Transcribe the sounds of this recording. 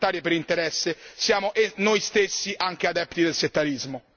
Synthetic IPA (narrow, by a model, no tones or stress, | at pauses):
t̪aːɾjepeɾint̪eɾɛsːesjaːmoʔenojst̪esːiʔaŋk̟ead̪ɛpt̪id̪elset̪ːaɾizmo